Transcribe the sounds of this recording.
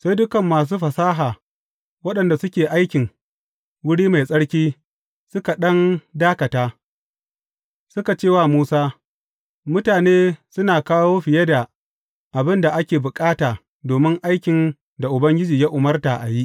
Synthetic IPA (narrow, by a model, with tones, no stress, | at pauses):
sa˦jdʊ˦kɐ˨mːaː˨s̬uː˦ɸɐ˨saː˦ɦaː˨ | wɐ˦ɗɐ˨nda˨sʊ˦kʲeː˨ʔa˦jkʲɪ˨ŋ | wʊ˦ɽiː˦ma˨jsʼɐ˦ɽkʲiː˦ | sʊ˦ka˨ɗɐ˦ndaː˦kɐ˨taː˦ | sʊ˦ka˨t͡ʃeː˦˨waː˦˨muː˦saː˦ | mʊ˦taː˨neː˦sʊ˦naː˨kaː˦woː˦ɸɪ˨jɐ˦da˨ | ʔa˨bɪ˦nda˨ʔa˦kʲeː˨bʊ˨kʼaː˦taː˨ | doː˨mɪ˦ŋʔa˦jkʲɪ˨n | da˨ʔʊ˨bɐ˦ŋɡʲɪ˦d͡ʒiː˨ja˦ʔʊ˨mɐ˦rta˨ʔa̰˨ji˦ʔ